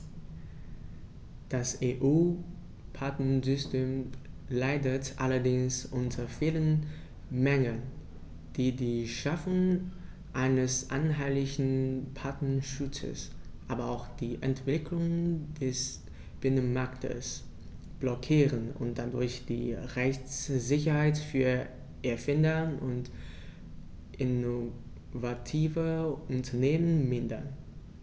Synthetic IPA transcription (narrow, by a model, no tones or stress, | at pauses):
d̥aseːʔuː | pʰatnəzʏstʰeːmlaɪdətʔa̰lɐdɪŋsʔʊntʰɐfiːlən | mɛŋən | d̥iːdiːʃafʊŋ | ʔaɪnəsʔa̰nɦaɪlɪçn̩pʰatn̩ʃʊt͡sə̰sʔaːbɐaʊxd̥iːʔɛntv̥ɪkʰlʊŋd̥ɛs | b̥ɪnənmaɐktʰə̰s | b̥lɔkʰiːʁənʊ̰nt̚d̥adʊɐçd̥ḭːʁɛçt͡szɪçɐhaɪtfyːɐ | ʔɛɐfɪndɐʔʊnt | ʔɪno | vatʰiːvəʔʊntʰɐneːmənmɪndɐ̰n